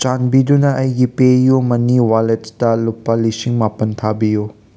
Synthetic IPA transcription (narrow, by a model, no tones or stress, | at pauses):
t͡ʃanbidunɐʔɐjɡipejumɐniwaletdɐlupːɐlisiŋmapɐntʰabiju